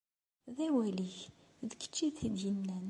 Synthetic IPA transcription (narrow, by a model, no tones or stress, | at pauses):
ðæwæliç | ðəkːə̥t͡ʃːiðθid̪jənːæn